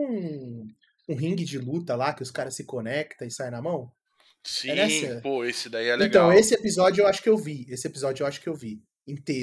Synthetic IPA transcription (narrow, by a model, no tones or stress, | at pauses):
ũ | ũɦĩŋɡɪd͡ʒɪlut̪ɐlakɪʊskaɾɐssɪkonɛkt̪ɐ̃ɪsajnɐmɐ̃w̃ | siɛñɛsɐpoesɪd̪aiɛlẽɡ̪ɐ̃w̃esɪepizɔd͡ʒʊewaʃʊ̥kɪewviesɪepizɔd͡ʒʊewaʃʊ̥kɪewvi | ĩt̪e